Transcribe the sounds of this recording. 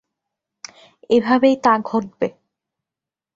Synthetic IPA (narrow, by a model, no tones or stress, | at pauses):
ebʱabejt̪ãɡʱot̪̚be